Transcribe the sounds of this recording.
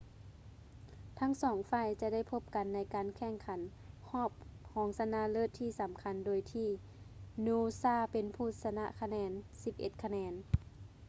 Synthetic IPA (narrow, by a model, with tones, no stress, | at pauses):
t̪ʰa˧˥˨ŋsɔː˨˦ŋfaː˧˩˨jt͡ɕa˧da˥˩˨jpʰo˧˥p̚ka˨nːa˧˥jkaː˨nkʰɛ˧˩˨ŋkʰa˨˦n | hɔː˥˩p̚kʰɔː˨˦ŋsa˧na˧˩lɤː˧˥˩t̪ʰːiː˧˩sa˨˦mkʰa˧˦ndoː˨˦jt̪ʰiː˧˩ | nuː˧saː˧˩˨pe˨npʰuː˧˩t̪̚sa˧na̰˧ʔkʰa˧nɛː˧˥nsi˧p̚ʔḛ˧˦t̪̚kʰa˧nɛː˨˧˦n